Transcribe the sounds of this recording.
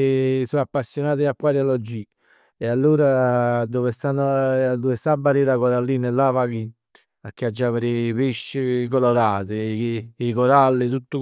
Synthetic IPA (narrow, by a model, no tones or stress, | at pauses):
soapːasːjonaːt̪ɪakːwaːɾjalɔd͡ʒi | ealːuːɾad̪ovest̪anːod̪ovɪst̪abːaɾiɾakoɾalːiːnɪlːavakit̪ | pak̟ːead͡ʒːavɪɾɪpeʃːɪk̬oloɾaːt̪ɪikoɾalːɪt̪ut̪ːʊ